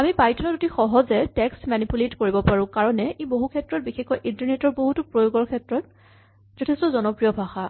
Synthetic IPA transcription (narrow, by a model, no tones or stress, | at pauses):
amipajtʰɔnɔtotixɔɦɔzɛtɛkstmanipuletkoɹibɔpaɹʊ̃kaɹɔnɛʔeboɦukʰɛtɹɔt̚bixɛxɔjʔintaɹnetɔɹboɦutupɹojoɡɔɹkʰɛtɹɔt | z̥ɔtʰɛstɔzɔnɔpɹijɔbʱaxa